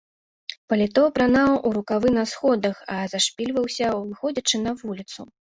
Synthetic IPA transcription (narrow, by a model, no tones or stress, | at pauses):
pɐlʲit̪ɔpɾanawʔuɾukavɨnɐsxɔd̪ɐxɐzaʂpʲilʲvɐwsʲɐvɨxɔd͡zʲɐt͡ʂɨnɐvulʲit̪su